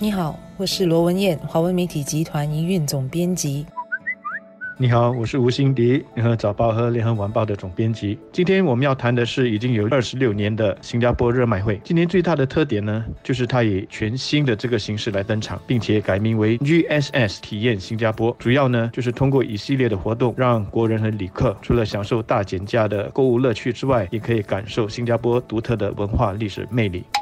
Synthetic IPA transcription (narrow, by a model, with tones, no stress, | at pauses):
ni˧˥xɑ˨˩˦ʊwɔ˨˩ʂɻ̩˥˩lwɔ˧˥wə˧˥njɛ˥˩nxwa˧˥wə˧˥nme˧ɪt̪ʰi˨˩t͡ɕi˧˥t̪ʰwa˧˥ni˧˥y˥˩nt͡sʊ˨˩ŋpjɛ˥nt͡ɕi˧˥ | ni˧˥xɑ˨˦ʊwɔ˨˩ʂɻ̩˥˩u˧˥ɕi˥ŋt̪i˧˥ljɛ˧˥nxə˧˥t͡sɑ˨˩ʊpɑ˥˩ʊxɤ˧˥ljɛ˧˥nxə˧˥wa˧˥npɑ˥˩ʊd̪ə˩t͡sʊ˨˩ŋpjɛ˥nt͡ɕi˧˥t͡ɕi˥nt̪ʰjɛ˥nwɔ˨˩mə˦njɑ˥˩ʊt̪ʰa˧˥nd̪ə˧ʂɻ̩˥˩i˨˩t͡ɕi˥ŋjo˧˥ʊə˞˥˩ʂɻ̩˧˥ljo˥˩ʊnjɛ˧˥nd̪ə˨ɕi˥ŋt͡ɕa˥pwɔ˥ɻɤ˥˧ma˥˩ɪxwe˥˩ɪt͡ɕi˥nt̪ʰjɛ˥nt͡swe˥˧ɪt̪a˥˩d̪ə˩t̪ʰɤ˥˩t̪̬jɛ˨˩nnə˦t͡ɕjo˥˧ʊʂ̬ɻ̩˥˩t̪ʰa˥jɛ˨˩t͡ɕʰɥɛ˧˥nɕi˥nd̪ə˨ʈ͡ʂɤ˥˩ɡə˩ɕi˧˥ŋʂɻ̩˥˩la˧˥ɪt̪ə˥nʈ͡ʂʰɑ̰˨˥˦ŋpi˥˩ŋt͡ɕʰjɛ˨˩ka˨˩ɪmi˧˥ŋwe˧˥ɪy˥ɛ˥sɛ˥˩st̪ʰi˨˩jɛ˥˩nɕi˥ŋt͡ɕja˥pwɔ˥ʈ͡ʂu˨˩jɑ˥˩ʊnə˩t͡ɕo˥˧ʊʂ̬ɻ̩˥˩t̪ʰʊ˥ŋk̬wɔ˥˩ʔi˨˩ɕi˥˧ljɛ˥˩d̪ə˩xwɔ˧˥t̪ʊ˥˩ŋɻɑ˥˩ŋkwɔ˧˥ɻə˧˥nxə˧˥nli˨˩kʰɤ˥˩ʈ͡ʂʰu˧˥lə˧ɕjɑ˨˩ŋʂo˥˧ʊt̪a˥˩t͡ɕjɛ˨˩nt͡ɕja˥˩d̪ə˨ko˥˧u˥˧lɤ˥˧t͡ɕʰy˥˧ʈ͡ʂɻ̩˥wa˥˩ɪjɛ˨˩kʰɤ˧˥i˨˧˩ka˨˩nʂo˥˩ʊɕi˥ŋt͡ɕja˥pwɔ˥t̪u˧˥t̪ʰɤ˥˩d̪ə˩wə̰˧˥nxwa˥˧li˥˩ʂɻ̩̰˨˩me˥˧ɪlḭ˥˩˦